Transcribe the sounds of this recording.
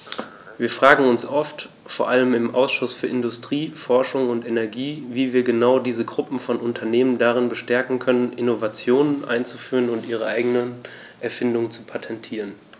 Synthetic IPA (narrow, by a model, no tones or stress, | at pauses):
viːɐfʁ̥aːɡŋ̩ʊnsʔɔft | foːɐʔaləmɪmʔa̰ʊsʃʊsfyːɐɪndʊstʁ̥iːfɔɐʃʊŋʊntenɛɐɡiːviːviːɐɡənaʊdiːzəɡʁʊpm̩fɔnʊntʰɐneːməndaʁ̞ɪnbəʃtɛɐkŋ̩kʰœnənʔɪnovat͡sjoːnənʔa̰ɪnt͡sufyːʁənʊntʔiːʁəʔaɪɡənə | ʔɛɐfɪndʊŋt͡supʰatʰɛntʰiːʁən